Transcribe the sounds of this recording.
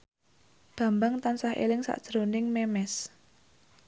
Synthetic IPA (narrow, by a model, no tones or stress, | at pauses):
b̥ä̤mbaŋt̪ansahʔḛlɪŋsa̰ʔd̥ʒ̥əɾonɪŋmɛmɛs